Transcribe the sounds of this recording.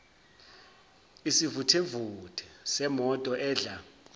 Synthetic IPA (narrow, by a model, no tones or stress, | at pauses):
isivutʰevutʼʰɛ̥sɛmɔtʼɔʔɛːɮa